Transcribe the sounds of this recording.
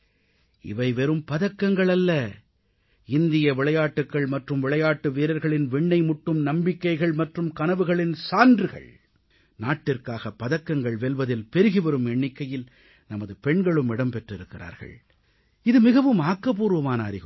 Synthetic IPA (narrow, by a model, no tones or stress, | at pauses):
ɪ̰ʋɐɪʋɛɾɯmpɐðɐkːɐŋɡɐɭɐlːɐ | ɪnd̪ɪjɐʋɪɭɐjaːʈːɯkːɐɭmɐʈrɯmʋɪɭɐjaːʈːɯʋeːɾɐɾɣɐɭɪnʋɛɳːɐɪmʊʈːɯmnɐmbɪkːɐɪɣɐɭmɐʈrɯmkɐnɐʋɯɣɐɭɪnsaːndrɯɣɐ̰ɭ | naːʈːɪrkaːɣɐpːɐðɐkːɐŋɡɐɭʋɛlʋɐðɪlpɛɾɯɣɯʋɛɾɯmɛɳːɪkːɐjɪl | nɐmɐðɯpɛɳɡɐɭɯmɪɽɐmpɛʈrɪɾɯkːɪra̰ːɾɣɐ̰ɭ | ɪðɯmɪɣɐʋɯmaːkːɐpuːɾɯʋɐmaːnaːɾɪɣ